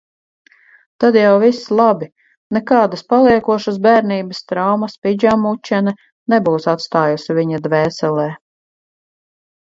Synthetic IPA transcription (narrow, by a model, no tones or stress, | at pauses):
t̪ad̪jawvislˠabi | nɛkaːd̪aspalˠiɛkuɔʃas̬bæːɾniːbɐst̪ɾawmɐspid͡ʒamut͡ʃːɛnɛ | nɛbuːsat̪st̪aːjusivʲiɲad̪vɛːsɛlˠɛː